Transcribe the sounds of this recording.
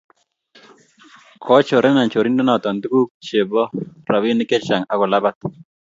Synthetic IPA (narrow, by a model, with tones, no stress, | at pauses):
kʰɔ˦t͡ʃo˨ɾɛ˦na˨t͡ʃo˨ɾi˦ndɔ˦na˨t̪ɔ˨ndu˦ku˦kt͡ʃe˨bɔ˦ɾa˨wi˦nɪ˦kɛ˦t͡ʃa˨ŋa˨kɔ˨la˦ba˦t̪